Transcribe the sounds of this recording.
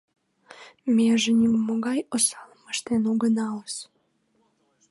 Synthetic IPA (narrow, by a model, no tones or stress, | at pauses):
mʲeʒenʲimmoɣɑjosɑlməʃt̪enuɣənɑləs